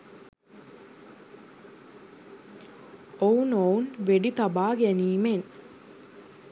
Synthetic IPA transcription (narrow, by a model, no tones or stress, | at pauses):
ounounʋeɖit̪abaːɡæniːmen